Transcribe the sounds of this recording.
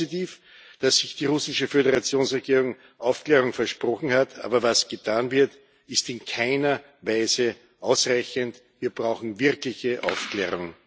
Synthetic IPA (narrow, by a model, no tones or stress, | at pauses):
itiːf | d̥asːɪçd̥iːʁʊsɪʃəfødəʁat͡sjoːnsʁeɡiːʁ̞ʊŋ | ʔaʊfkleːʁ̞ʊŋfɛɐʃpʁ̥ɔxn̩hatʰa̰ːbɐvasɡ̥ətʰaːnvɪɐt | ɪstɪnkʰaɪnɐ | vaɪzə | ʔaʊsʁaɪçəntviːɐbʁaʊxn̩vɪɐklɪçəʔa̰ʊfklḛːʁ̞ʊŋ